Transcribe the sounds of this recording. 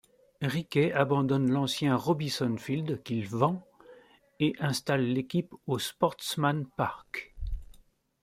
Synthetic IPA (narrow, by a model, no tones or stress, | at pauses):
ʁikʲɛabɑ̃d̪ɔnlɑ̃sjɛ̃ʁɔbisɔnfild̪kʲiləvɑ̃ | eʔɛ̃st̪alːekʲipospɔʁt̪smanpaʁk